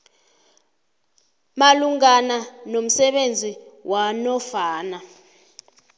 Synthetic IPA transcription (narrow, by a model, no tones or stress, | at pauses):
maluŋananom̩sɛɓend͡zʱiwʔanɔfaːna